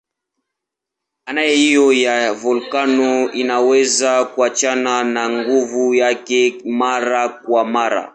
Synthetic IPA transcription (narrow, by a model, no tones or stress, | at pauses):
anajɛhijɔjavulkanɔinawɛzakuat͡ʃananaŋɡuvujakɛmaɾakwamaɾa̰